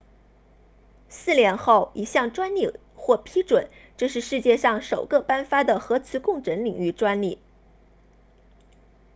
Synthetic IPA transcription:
sɹ̩˥˩ljɛ˧˥nxo˥˩ʊʔi˨˩ɕjɑ˥˩ŋʈ͡ʂwa˥nli˥˩ | xwɔ˥˩pʰi˥ʈ͡ʂwə˨˩˦nʈ͡ʂɤ˥˧ʂɻ̩˥˧ʂɻ̩˥˧t͡ɕjɛ˥˧ʂɑ˥˩ŋʂo˨˩ʊɡə˧pa˥nfa˥d̪ə˨xɤ˧˥t͡sʰɹ̩˧˥kʊ˥˩ŋʈ͡ʂə˧˥nli˨˩ŋy˥˩ʈ͡ʂwa˥nli˥˩

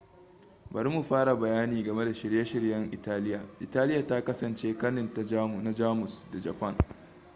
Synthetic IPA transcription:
bɐ˨ɾi˦mu˨ɸaː˦ɽa˨bɐ˨jaː˦niː˨ɡɐ˨me˦da˨ʃɪ˨ɽjɐ˦ʃɪ˨ɽjɐ˦ŋʔɪ˨taː˦lɪ˦jaː˨ʔɪ˨taː˦lɪ˦jaː˨ta˦kɐ˦sɐ˨nt͡ʃeː˦kɐ˦nɪ˨nta˦na˨d͡ʒaː˦mʊ˨sda˨d͡ʒɐ˨pɐ˦ŋ

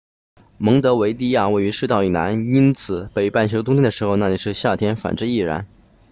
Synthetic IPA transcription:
mɤ˧˥ŋt̪ɤ˧˥we˧˥ɪt̪i˥˧ja˥˩we˥˩y˧˥ʂɻ̩˥˧t̪ɑ˥˩ʊi˨˩na̰˧˥ni˥nt͡sʰɹ̩˨˩˦pe˨˩ɪpa˥˩nt͡ɕʰjo˧˥t̪ʊ˥ŋt̪ʰd̪ə˩ʂɻ̩˧˥xo˧ʊna˥˩li˨˩ʂɻ̩˥˧ɕja˥˩t̪ʰjɛ˥nfa̰˨˩nʈ͡ʂɻ̩˥˧i˥˩ɻa̰˧˥n

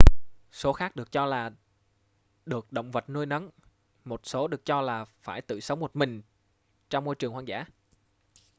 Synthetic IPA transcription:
so˨˦xaː˦˥k̚ɗɨ˨˩ək̚t͡ɕɔ˧laː˨˩ | ɗɨ˨˩ək̚ɗə̰˧˨wŋ͡mvə˨˩t̚nu˧əjnə˨˦n | mo˨˩t̚so˨˦ɗɨ˨˩ək̚t͡ɕɔ˧laː˨˩faː˧˩jt̪ɨ̰˧˨sə˨˦wŋ͡mmo˨˩t̚mï˨˩ŋ̟ | t͡ɕɔ˧wŋ͡mmo˧jt͡ɕɨ˨˩əŋhwaː˧ŋza̰ː˧˥˩

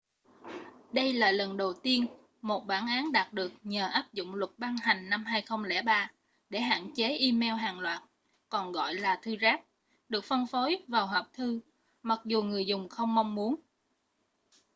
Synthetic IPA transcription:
ɗə˧jlaː˨˩lə˨˩nɗə˨˩wt̪i˧ən | mo˨˩t̚ɓaː˧˩nʔaː˨˦nɗaː˨˩t̚ɗɨ˨˩ək̚ɲəː˨˩ʔaː˦˥p̚zʊ̰˧˨ŋ͡mlʊ˨˩k̚ɓa˧ŋɦa˨˩ŋ̟na˧mɦaː˧jxə˧wŋ͡mlɛ̰˧˩ɓaː˧ | ɗe˧˩ɦa̰ː˧˨nt͡ɕe˨˦ʔi˧mɛ˧wɦaː˨˩ŋlwa̰ː˨˩t̚ | kɔ˨˩nɣɔ̰˧˨jlaː˨˩t̪ʰɨ˧zaː˦˥p̚ | ɗɨ˨˩ək̚fə˧nfo˨˦jvaː˨˩wɦəː˨˩p̚t̪ʰɨ˧ | ma˨˩k̚zu˨˩ŋɨ˨˩əjzʊ˨˩ŋ͡mxə˧wŋ͡mma˧wŋ͡mmu˨˦ən

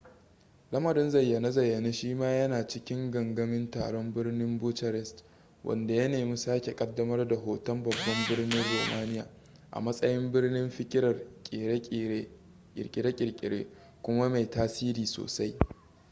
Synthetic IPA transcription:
lɐ˦mɐ˨ɾɪ˦nzɐ˨jːɐ˨na˦zɐ˨jːɐ˨na˦ʃiː˦maː˦jɐ˦naː˨t͡ʃɪ˦kʲɪ˦ŋɡɐ˨ŋɡɐ˦mɪ˦nta̰ː˨ɽɔ˦mbɪ˦rnɪ˦mbʊː˦tɐ˨ɾɛ˦st | wʔɐ̰˨nda˨jɐ˦neː˨mi˦saː˦kʲe˨kʼɐ˦dːɐ˦mɐ˦rda˨ɦoː˨tɐ˦mbɐ˨bːɐ˦mbɪ˦rnɪ˦nroː˨maː˦nɪ˦ja̰ː˨ | ʔa̰˨mɐ˦sʼɐ˦jɪ˦mbɪ˦rnɪ˦mɸɪ˦kʲʼɪ˦ɾɐ˨rkʲʼe˨ɾe˦ | ɪ̰˨ɾkʲʼɪ˨ɾe˦kʲʼɪ˨kʲʼɪ˨ɽḛː˦ | kʷʊ˦ma˦ma˨jtaː˦siː˦ɾiː˨so̰ː˨sa˦j

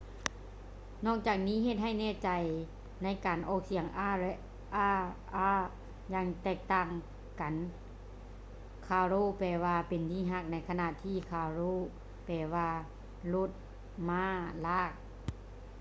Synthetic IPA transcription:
nɔː˧˥˩k̚t͡ɕaː˨˩k̚niː˦˥˨ɦe˧˩t̪̚ha˧˥˩jnɛː˧˩t͡ɕa˨˩j | na˧˥˨jkaː˨nʔɔː˧˩k̚si˨˩əŋ˧ | ʔaː˧˥˩ | aː˧˥ | jaː˧ŋt̪ɛː˧˩k̚t̪aː˧˩ŋ | ka˨n | kʰaː˧ɾoː˧˨pɛː˧˩waː˧pe˨nt̪ʰiː˧˩˨ɦa˧˩k̚na˧˥˩jkʰa˧na˧t̪ʰiː˧˥˨kʰaː˧˩ɾoː˧˥˨ | pɛː˨˧˩waː˧ | lo˧˥˩t̪̚ | maː˧˥˨laː˧˥˩k̚

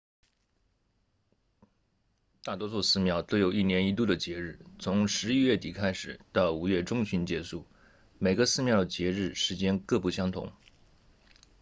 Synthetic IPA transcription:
t̪a˥˩t̪wɔ˥t͡sʰwɔ˥˧sɹ̩˥˧mjɑ˥˩ʊt̪o˥ʊjo˨˩ʊi˥˩njɛ˧˥ni˧˥t̪̬u˥˩d̪ə˩t͡ɕjɛ˧˥ɻɻ̩˥˩t͡sʰʊ˧˥ŋʂɻ̩˧˥i˥ɥɛ˥˩t̪i˨˩kʰa˥ɪʂɻ̩˨˩˦t̪ɑ˥˩ʊu˧˥ɥɛ˥˩ʈ͡ʂʊ˥˧ŋɕy˧˥nt͡ɕjɛ˧˥su˥˩ | me˨˩ɪɡə˧˦sɹ̩˥˧mjɑ˥˩ʊd̪ə˩t͡ɕjɛ˧˥ɻɻ̩˥˩ʂɻ̩˧˥t͡ɕjɛ˥nkɤ˥˧pu˥˩ɕjɑ˥ŋt̪ʰʊ̰˧˥ŋ

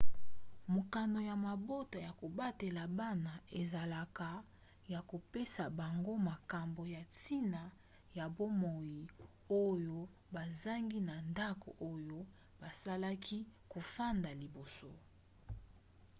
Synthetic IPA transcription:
mo˨ka˨no˨ja˨ma˨bo˦ta˨ja˨ko˨ba˦te˨la˨ba˦na˨e˨za˨la˨ka˨ | ja˨ko˨pe˦sa˨ba˨ŋɡo˦ma˨ka˨mbo˨ja˨ti˦na˨ | ja˨bo˦mo˨ji˨ | o˦jo˦ | ba˨za˦ŋɡi˦na˨nda˦ko̰˨ʔo˦jo˦ | ba˨sa˦la˦kʰi˦ko˨fa˦nda˨li˨bo˨so˦

